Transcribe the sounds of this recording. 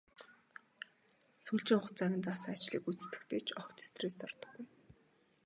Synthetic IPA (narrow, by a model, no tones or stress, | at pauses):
suɮt͡ɕɪ̆ŋʊ̆χt͡sæɣʲɪ̆nt͡sasŋat͡ɕɮḭːkut͡sɘ̥̆st̪ɘ̆kt̪ʰeːt͡ɕʰɔkt̪ʰe̥st̪rest̪ʰɔrt̪ɞ̥̆ɡ̥ːuj